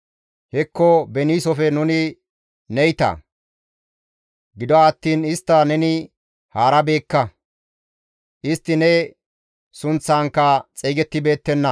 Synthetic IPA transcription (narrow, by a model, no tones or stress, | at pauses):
hɛkːɔbɛniːsɔfɛnʊnɪ | nɛjt̪ɐ̰ | ɡɪd̪ɔːt̪ːiːnɪst̪ːɐnɛnɪ | haːɾɐbe̞ːkːɐ | ʔɪst̪ːɪnɛ | sʊnt͡sːaːŋkːɐt͡sʼɛjɡɛt̪ːɪbe̞ːt̪ːɛnːɐ